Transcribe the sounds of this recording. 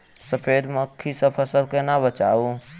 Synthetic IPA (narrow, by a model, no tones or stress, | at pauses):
səpʰeːd̪məkʰːisəpʰəsəlkenabət͡ʃaːu